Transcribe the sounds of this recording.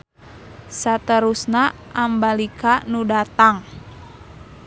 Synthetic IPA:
sat̪əɾusna | ambalikanudat̪aŋ

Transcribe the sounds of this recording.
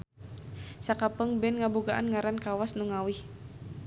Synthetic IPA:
sakapəŋbɛnŋabuɡaʔanŋaɾankawasnuŋawih

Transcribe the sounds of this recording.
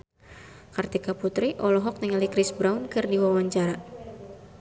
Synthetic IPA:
kart̪ikaput̪ɾiʔɔlɔɦɔk̚nəŋalikɾisbɾaunkɨrdiwawaɲt͡ʃaɾa

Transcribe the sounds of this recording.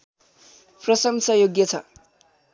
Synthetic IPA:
prʌsʌmsʌjoɡjʌt͡sʰʌ̰

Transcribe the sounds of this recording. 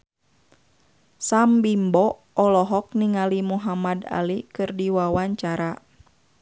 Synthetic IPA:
sambimbɔ | ɔlɔɦɔk̚niŋalimuɦamada̰likɨrdiwawaɲt͡ʃaɾa

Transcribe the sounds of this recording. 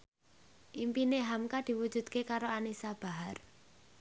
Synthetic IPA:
ʔimpineɦamkad̪̥i̤wud̥ʒ̥ṳd̪̥̚kekaɾoanisab̥a̤ɦar

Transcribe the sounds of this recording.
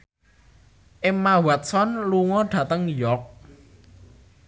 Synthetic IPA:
ʔɪmːawat̪̚sɔnluŋɔɖ̥ä̤t̪əŋjɔk̚

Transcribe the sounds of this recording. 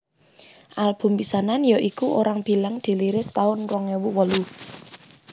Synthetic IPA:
ʔalb̥ʊ̤mpisananjɔʔikuʔoɾaŋb̥i̤laŋd̪̥i̤liɾɪst̪aʊnrɔŋewuwɔlu

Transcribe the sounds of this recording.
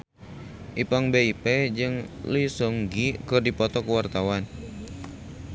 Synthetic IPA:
ʔipaŋbeiped͡ʒɨŋlisɔŋɡikɨrdipɔt̪ɔkuwart̪awan

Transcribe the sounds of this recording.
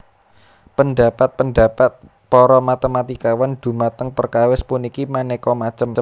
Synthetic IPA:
pənɖa̤pat̪̚pənɖa̤pat̪̚ | pɔɾɔmat̪emat̪ikawand̪̥ṳmat̪əŋpərkawɪspunikimanekɔmat͡ʃəmə

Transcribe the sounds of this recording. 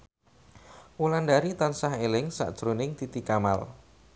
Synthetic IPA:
ulandaɾit̪ansaɦelɪŋsa̰ʔd̥ʒ̥ɾonɪŋt̪it̪ikama̰l

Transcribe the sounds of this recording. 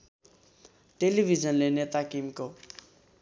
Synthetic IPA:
ʈelibʱid͡zʌnlenet̪akimko

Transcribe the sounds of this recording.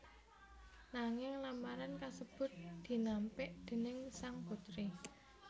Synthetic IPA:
naŋɪŋlamaɾankasəb̥ʊ̤t̪̚d̪̥i̤nampɪʔd̪̥e̤nɪŋsaŋkut̪ɾi

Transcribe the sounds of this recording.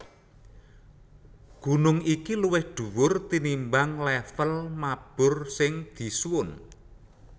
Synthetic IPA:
ɡ̥ṳnʊŋikiluwɪhɖ̪̥ṳwʊrt̪inimbaŋlɛfəlmab̥ʊ̤rsɪŋd̪̥i̤swʊn

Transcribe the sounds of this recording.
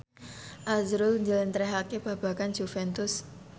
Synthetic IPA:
ʔazɾʊlɲd͡ʒəlɪnt̪ɾeɦakeb̥a̤b̥a̤kand͡ʒufɛnt̪ʊs

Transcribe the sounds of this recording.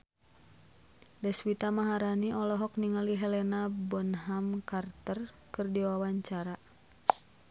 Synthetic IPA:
dɛswit̪amaɦaɾaniɔlɔɦɔk̚niŋaliɦɛlɛnabɔnɦamkart̪ər | kɨrdiwawaɲt͡ʃaɾa

